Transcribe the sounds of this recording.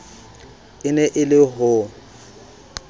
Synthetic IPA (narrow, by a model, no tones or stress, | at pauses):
ɪnɛʔɪlɪɦʊ